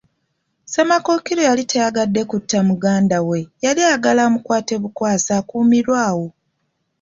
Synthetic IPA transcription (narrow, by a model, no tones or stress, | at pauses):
se̞mako̞kiɾo̞jalitʰejaɡadːe̞kutːamuɡaːndawe̞jaliaɡalamukwaːte̞βukwaːsaːkuːmiɾwaːwo̞